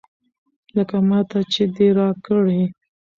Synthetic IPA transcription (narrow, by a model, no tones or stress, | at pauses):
ləkamɑt̪at͡ʃed̪eɾɑkəɽe